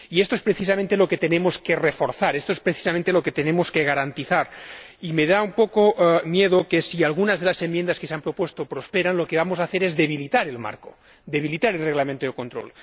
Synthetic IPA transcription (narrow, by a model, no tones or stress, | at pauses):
iest̪oespɾeθis̬amẽnt̪elo̞ket̪enemoskerefoɾθaɾest̪oespɾeθi̥samẽnt̪eloket̪enemoskeɣ̞aɾant̪iθaɾ | imeðaumpokoʔmjeðokesialɣunazðelasemjend̪askeseampɾopwest̪opɾospeɾanlokeβamosaːθeɾezðe̞β̞ilit̪aɾelma̰ɾko | d̪eβilit̪aɾelreɣlamẽnt̪oðekont̪ɾo̰l